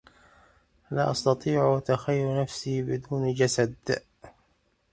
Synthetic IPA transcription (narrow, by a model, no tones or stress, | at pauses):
la̰ːʔɑst̪ɑt̪ˤiːʕt̪axajːɾnafsiːbɪd̪uːnd͡ʒasad̪